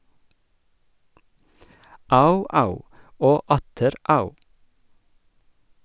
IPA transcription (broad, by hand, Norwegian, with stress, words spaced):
ˈɑʉˌɑʉ ˈoː ˈɑtəɾ ˈɑʉ